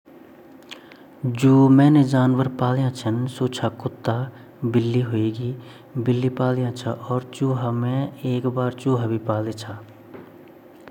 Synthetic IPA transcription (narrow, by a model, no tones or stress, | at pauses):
d͡ʒuːmɛ̃ːned͡ʒaːnʋəɾpaːljãt͡ʃʰənsoːt͡ʃʰakʊt̪ːaː | bɪlːiɦoeːɡiː | bɪlːipaːljãt͡ʃʰaʔɔːɾt͡ʃuːɦamɛ̃eːkbaːɾt͡ʃuːɦabʱipaːlet͡ʃʰaː